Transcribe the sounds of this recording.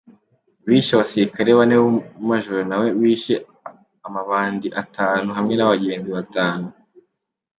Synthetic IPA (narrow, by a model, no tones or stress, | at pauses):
wiːʃaβasiɾikaɾewanewmaʒoɾonawe̞wiːʃe | amaβaːndiʔatʰaːnuɦamŋe̞naβaɡe̞ːnziβataːnu